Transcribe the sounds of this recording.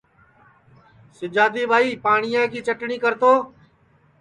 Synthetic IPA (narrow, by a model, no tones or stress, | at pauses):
sɪd͡ʒaːd̪iːbʱaːiːpaːɳɪjãːkiːt͡ʃəʈɳiːkəɾt̪oː